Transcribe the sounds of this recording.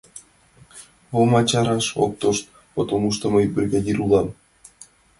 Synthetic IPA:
omɑt͡ɕɑɾɑʃo̰k̚t̪oʃt̪̚ | pot̪omuʃt̪ɤ̆mɤjbɘ̆rɡɑd̪ʲiɾulˠɑm

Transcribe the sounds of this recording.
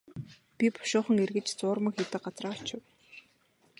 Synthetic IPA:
pʲipʊ̥ʃʊːχə̆ŋerɣɘ̆t͡ɕt͡sʊːrmə̆kxʲet̪ɘ̆ɢat͡sraːɬt͡ɕɪ̆w

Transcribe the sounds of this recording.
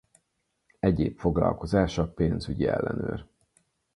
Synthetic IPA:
ɛɟeːpfo̞ɡlɒ̰lko̞zaːʃɒpeːnzyɟiɛ̰lːɛnøːr

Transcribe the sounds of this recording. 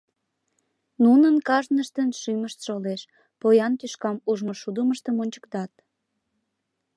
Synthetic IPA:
nunənkɑʒnəʃt̪ənʃyməʃt̪ʃoleʃ | pojɑnt̪yʃkɑmuʒmoʃud̪əməʃt̪əmonʲt͡ɕə̥kt̪ɑt̪

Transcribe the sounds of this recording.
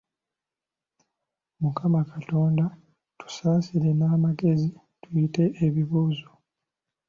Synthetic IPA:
mukamakato̞ːnda | tu̥saːsile̞naːmaɡe̞zi | tujite̞ʔːβiβuːzo

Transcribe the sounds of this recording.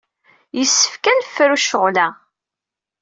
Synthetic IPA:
jəsːə̥fkænfːɾuʃəʁlæ

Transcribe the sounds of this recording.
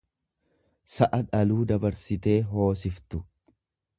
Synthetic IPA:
sɐʔɐᶑɐluːd̪ɐbɐɾsɪt̪e̞ːɦo̞ːs̬ɪft̪ʊ

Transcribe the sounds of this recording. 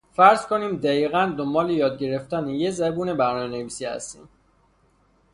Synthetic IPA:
fæɾzkʰoniːmd̪æiːɣænd̪ombɒːlejɒːd̪ɟe̞ɾe̞ft̪ænejezæbuːnebæɾnɒːmeneviːsiːhæ̰st̪ḭːm

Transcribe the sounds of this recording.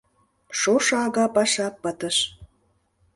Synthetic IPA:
ʃoʃɑɑɣɑpɑʃɑpːət̪əʃ

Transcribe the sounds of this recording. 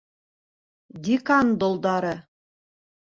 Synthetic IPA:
d̪ʲikɑnd̪olˠd̪ɑɾɤ

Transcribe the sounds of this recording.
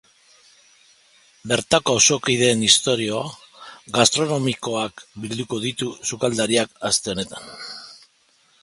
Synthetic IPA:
be̞ɾt̪ako̞awso̞kiðe̞ːnist̪o̞ɾio̞a | ɡast̪ɾo̞no̞miko̞akbild̪uko̞ðit̪usukald̪aɾiakast̪e̞one̞t̪ḁn

